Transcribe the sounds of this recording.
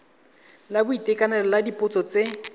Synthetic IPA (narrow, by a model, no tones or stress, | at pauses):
labʊitʼekʼanalladipʼʊt͡sʼɔt͡se